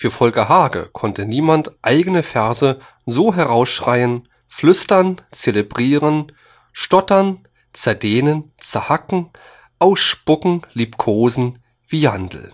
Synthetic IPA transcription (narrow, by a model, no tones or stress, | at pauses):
fyːɐfɔlkɐɦaːɡə̰kʰɔntəniːmantʔaɪɡənəfɛɐzə | zoːɦɛʁ̞aʊsʃʁ̥aɪən | flʏstɐnt͡selebʁiːʁən | ʃtɔtɐn | t͡sɛɐdeːnənt͡sɛɐhakŋ̩ | ʔaʊsʃpʊkŋ̩lipkʰoːzn̩ | v̥iːhandl̩